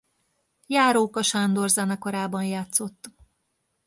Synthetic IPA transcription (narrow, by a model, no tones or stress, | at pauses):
jaːɾoːkɒʃand̪o̞rzɛnɒkoɾaːbɒnjaːt̪so̞t̪ː